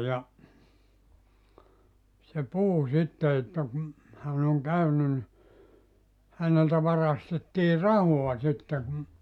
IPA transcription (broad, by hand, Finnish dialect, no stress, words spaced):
jɑ se puhu sitːe etːæ kum hæn oŋ kæyny nĭ hæneltæ ʋɑrɑstetːiː rɑhoɑ sitːe kum